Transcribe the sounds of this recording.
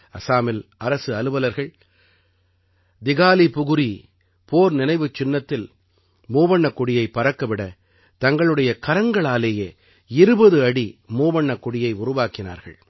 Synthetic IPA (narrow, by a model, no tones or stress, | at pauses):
ɐsaːmɪlɐɾɐsɯɐlɯʋɐlɐɾɣɐɭ | d̪ɪɣaːlipʊɣɯɾi | poːɾnɪnɐɪʋɯt͡ʃːɪnːɐt̪ːɪl | muːʋɐɳːɐkːʊɽɪjɐɪpɐɾɐkːɐʋɪɽɐ | t̪ɐŋɡɐɭɯɽɐjɐkɐɾɐŋɡɐɭaːleːjeː | ɪɾɯbɐðɯɐɽimuːʋɐɳːɐkːʊɽɪjɐɪʊɾʊʋaːkɪna̰ːɾɣɐ̰ɭ